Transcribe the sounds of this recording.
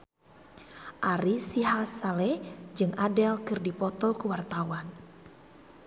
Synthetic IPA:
ʔaɾisiɦasalɛd͡ʒɨŋʔadɛlkɨrdipɔt̪ɔkuwart̪awan

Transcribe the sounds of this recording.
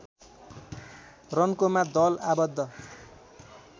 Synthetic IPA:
rʌnkomad̪ʌlabʌd̪ʱːʌ

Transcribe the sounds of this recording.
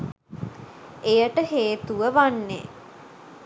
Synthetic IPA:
ejəʈəheːt̪uʋəʋanːḛ

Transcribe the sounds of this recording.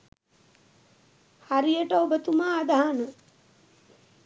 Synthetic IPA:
haɾijəʈəobət̪umaːd̪aɦanə

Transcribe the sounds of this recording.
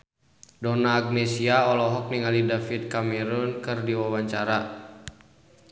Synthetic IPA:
dɔnaːɡ̚nɛsiaɔlɔɦɔk̚niŋalidafit̪̚kamɛɾunkɨrdiwawaɲt͡ʃaɾa

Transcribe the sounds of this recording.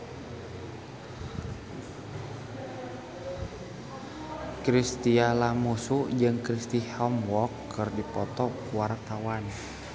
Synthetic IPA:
kɾist̪ialamusud͡ʒɨŋkɾist̪ihɔmwɔkːɨrdipɔt̪ɔkuwart̪awan

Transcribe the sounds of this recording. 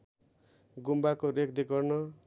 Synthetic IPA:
ɡumbakoɾek̚d̪ikʌrnʌ

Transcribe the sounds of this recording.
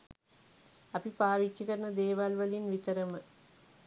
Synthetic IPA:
ɐpipaːʋit͡ʃːikɐɾɐɳɐd̪eːʋalʋɐlinʋit̪ɐɾɐmə

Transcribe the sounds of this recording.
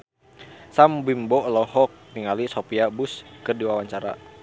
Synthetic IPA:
sambimbɔlɔhɔk̚niŋalisopiabuskərdiwawaɲt͡ʃaɾa̰

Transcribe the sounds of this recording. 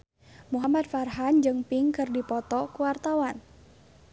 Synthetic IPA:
muɦamad̪̚farɦand͡ʒɨŋpiŋkɨrdipɔt̪ɔkuwart̪awan

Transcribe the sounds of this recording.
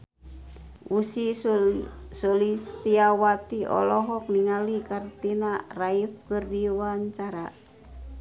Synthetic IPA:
usi | sɔlist̪iawat̪iɔ̰lɔɦɔk̚niŋalikart̪inaraifkɨrdiwaɲt͡ʃaɾa

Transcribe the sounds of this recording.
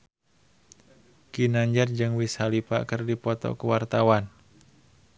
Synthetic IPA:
kinaɲd͡ʒard͡ʒɨŋwisalipa̰kɨrdipɔt̪ɔ̰kəwart̪awan

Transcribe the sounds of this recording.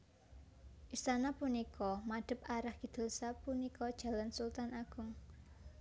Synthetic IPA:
ʔist̪anapunikɔmaɖ̥ə̤p̚aɾahɡ̥i̤d̪̥ə̤lsapunikɔd̥ʒ̥a̤lansult̪anaɡ̥ʊ̤ŋ

